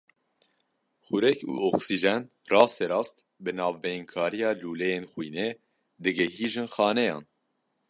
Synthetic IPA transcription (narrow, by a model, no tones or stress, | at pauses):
xuɾɛkṵːoksiʒɛn | rɑːst̪eɾɑːst̪ | bɨnɑːvbeŋkʰɑːɾijɑːluːlejenxwiːne | d̪ɨɡɛɦiːʒɨnxɑːnɛjɑ̰ːn